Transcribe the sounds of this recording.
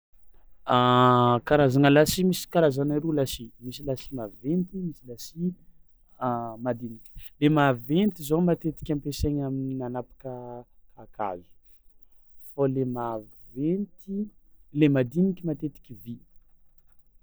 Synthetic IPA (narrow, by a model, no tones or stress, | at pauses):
akaɾazanəlasimisi̥kaɾazanaɾulasimisilasi̥mavent̪imisilasi | mad̪inikʲi̥lemavent̪izomat̪et̪i̥kʲampeseɲamininanapḁkəkʰaka̰i̥ | falemavent̪ilemad̪inikʲimat̪et̪i̥kʲivi